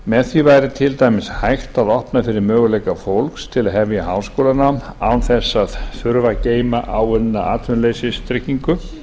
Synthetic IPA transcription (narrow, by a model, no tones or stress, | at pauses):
mɛðθivajɾɪt̪ʰɪlt̪ajmɪshajxt̪aðɔhpnafɪɾɪɾmœːɣʏlejkafowlkst̪ʰɪlaðɦɛvjaɦaːwskowlanaawnθɛsːaðfʏɾvaceːjmaʔawʏðnaaːt̪ʰvʏnlejsɪst̪ɾɪhcːiŋkʏ